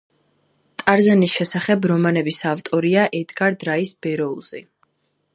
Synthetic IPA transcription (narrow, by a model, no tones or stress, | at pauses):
t̪ʼaɾzanisʃɛsaχɛbɾɔmanɛbisavt̪ʼɔɾiaʔɛd̪ɡaɾd̪ɾaisb̥ɛɾɔulˠz̥ḭ